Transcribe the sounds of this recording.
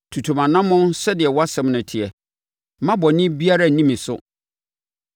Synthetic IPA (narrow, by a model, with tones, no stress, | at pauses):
tʰu˨tʰũ˨mã˨nã˦mːʊ̃˦n˦sɛ˦dɪ˨ɛ˨wɔ˦a˦sɛ̃˦mnʊ̃˨tʰɪ˨ɛ˨ | mã˦bɔ˨nɪ̃˦bi˦a˦ɾa˦˨nĩ˦mĩ˨sʊ̰˦